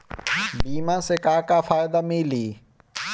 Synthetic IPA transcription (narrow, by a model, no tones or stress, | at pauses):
biːmãːseːkaːkaːfaːɪd̪amiːliː